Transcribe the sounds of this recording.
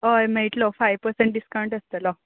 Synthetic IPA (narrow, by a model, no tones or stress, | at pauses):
ɦojmeɭʈlɔfajʋpəɾseɳʈ̚ɖiskaw̃ɳʈəst̪əlɔ